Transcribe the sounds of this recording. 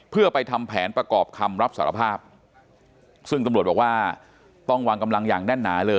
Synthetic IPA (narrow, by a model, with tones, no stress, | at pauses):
pʰɯ˥˩əpa˧jt̪ʰa˧mpʰɛː˩˦npɾa˧kɔː˨˩p̚kʰa˧mɾa˦˥p̚sa̰ː˩˦ɾa̰˧pʰaː˥˩p̚ | sɯ˥˩ŋt̪a˧mɾu˨˩t̚bɔː˨˩kwaː˥˩ | t̪ɔ˥˩ŋwa˧ŋka˧mla˧ŋjaː˨˩ŋnɛ˥˩nːaː˩˦lɤː˧